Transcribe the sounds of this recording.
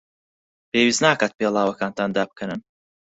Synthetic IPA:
peːwiːznaːkaːt̪̚pelˠaːwɐkaːnt̪ʰaːnd̪aːb̚kʰənɨn

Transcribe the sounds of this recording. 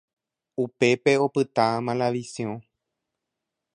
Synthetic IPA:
upe̞pe̞o̞pɨt̪aãmãlaʋisiõ

